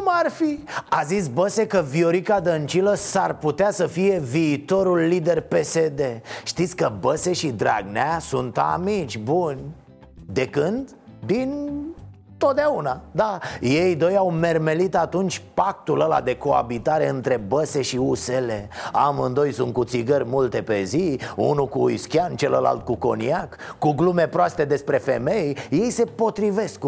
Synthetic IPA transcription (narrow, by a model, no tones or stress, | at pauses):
marfiazis̬bəse̞kəvio̞ɾikad̪ənt͡ʃiləsarput̪easəfije̞viːt̪o̞ɾulːid̪e̞rpe̞se̞d̪e̞ʃt̪it̪sʲkəbəse̞ʃid̪ɾa̰ɡneasunt̪a̰mit͡ʃʲbunʲ | d̪e̞kɨnd̪ | d̪in | t̪o̞t̪̚d̪eaunad̪aje̞jd̪o̞jawme̞rme̞lit̪at̪unt͡ʃʲpak̚t̪uləla̰d̪e̞koa̰bit̪aɾe̞ɨnt̪ɾe̞bəse̞ʃiusele̞amɨnd̪o̞jsunt̪kut̪siɡərʲmult̪e̞pe̞ziṵnukuiskʲiant͡ʃeləla̰lt̪̚kuko̞̰niakːuɡlume̞pɾoast̪e̞d̪e̞spɾe̞fe̞me̞jje̞jse̞po̞t̪ɾive̞sk